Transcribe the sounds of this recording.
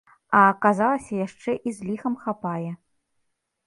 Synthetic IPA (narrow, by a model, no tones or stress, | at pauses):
ɐkazalˠɐsʲɐjaʂt͡ʂɛʔizʲlʲixɐmxapajɛ